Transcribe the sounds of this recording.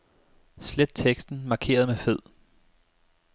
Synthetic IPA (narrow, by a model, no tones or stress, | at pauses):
sled̥̚t͡sʰeɡ̥sd̥n̩mɑ̈kʰe̝̰ːɐð̞̩ˠmefeð̞̰ˠ